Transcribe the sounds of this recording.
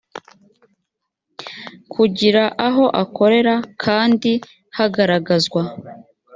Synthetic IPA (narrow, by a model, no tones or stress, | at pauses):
kʰuɟiɾaʔaɦo̞ʔako̞ɾe̞ɾakʰaːndi | haɡaɾaɡazɡwa